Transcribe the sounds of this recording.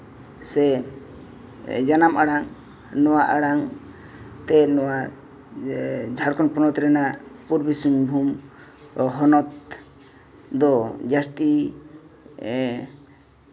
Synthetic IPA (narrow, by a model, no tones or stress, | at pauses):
sɛ | d͡ʒanamaɽaŋ | nɔwaʔaɽaŋ | t̪ɛnɔwa | d͡ʒʱaɽkɔnpɔnɔt̪ɾɛnapuɾbisumbʱum | ɦɔnɔt̪ | d̪ɔd͡ʒast̪i